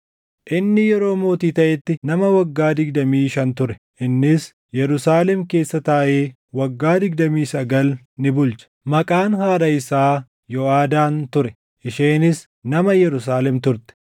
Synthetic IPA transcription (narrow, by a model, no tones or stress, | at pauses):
ʔɪnːɪjɛɾo̞ːmo̞ːt̪iːt̪ɐʔɛt̪ːɪnɐmɐwɐɡːaːd̪ɪɡd̪ɐmiːʃɐnt̪ʊɾɛ̥ | ʔɪnːɪs | jɛɾʊsaːlɛmke̞ːsːɐt̪aːʔe̞ː | wɐɡːaːd̪ɪɡd̪ɐmiːsɐɡɐl | nɪbʊlt͡ʃɐ̥mɐkʼaːnhaːɾɐɪsaː | jɔaːd̪aːnt̪ʊɾɛ | ʔɪʃeːnɪs | nɐmɐjɛɾʊs̬aːlɛmt̪ʊɾt̪ɛ̥